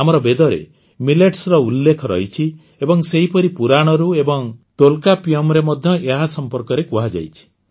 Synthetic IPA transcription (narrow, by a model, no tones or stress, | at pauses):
amɔɾɔbed̪ɔɾḛ | mileʈsɾɔulːekʰɔɾɔ̰ɦit͡ʃʰi | ebɔŋseɦipɔɾipuɾaɽ̃ɔɾuebɔŋt̪olkapiɔmɾemɔd̪ʱjɔʔeɦasɔmpɔɾkɔɾekuɦad͡ʒa̰jt͡ʃʰi̥